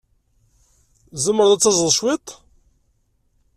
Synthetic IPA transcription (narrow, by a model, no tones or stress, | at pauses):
zəmːəɾðˤæt͡sːɑzəðˤʃwit̪ˤ